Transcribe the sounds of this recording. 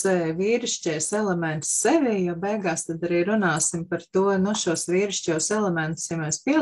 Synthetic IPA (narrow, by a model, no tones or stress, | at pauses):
sɛʋiːɾiʃcʲɛjsɛlˠemɛ̃nt̪sːeʋʲijabɛjɡaːst̪ad̪aɾiːɾunaːsimpaɾt̪uɔnuʃuɔsʋʲiːɾiʃcʲuːsɛlˠemɛ̃nt̪u̥sjameːspiɛ